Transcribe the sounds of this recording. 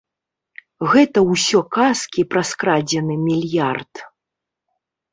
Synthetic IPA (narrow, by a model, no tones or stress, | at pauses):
ɣɛt̪ɐwsʲɔkaskʲipɾɐskɾad͡zʲɛnɨmʲilʲjart̪